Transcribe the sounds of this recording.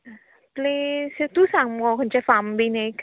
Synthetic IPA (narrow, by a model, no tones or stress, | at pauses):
plesət̪usaŋmɔkɔnt͡ʃɛfambinek